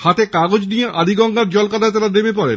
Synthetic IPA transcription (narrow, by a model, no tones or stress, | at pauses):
hat̪ekaɡod͡ʑnijeʔad̪ʱiɡɔŋɡaɾd͡ʑɔlkat̪at̪aɾademep̬ɔɾḛn